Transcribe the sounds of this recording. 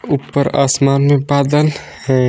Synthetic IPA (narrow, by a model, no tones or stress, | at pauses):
upːəɾa̰smanmepad̪ən | hɛ